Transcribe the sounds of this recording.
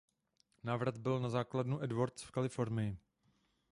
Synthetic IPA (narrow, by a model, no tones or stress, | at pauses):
naːvɾad̪bɪlnazaːkladnuʔɛdvoɾt͡sfkalɪfo̞ɾnɪjɪ